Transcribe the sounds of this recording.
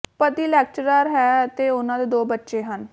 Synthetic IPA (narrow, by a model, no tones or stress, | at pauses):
pəɾd̪iːlɛːk̚t͡ʃɾaːɾɦɛːt̪eːʊnãːd̪eːd̪oːbətːʃeːɦən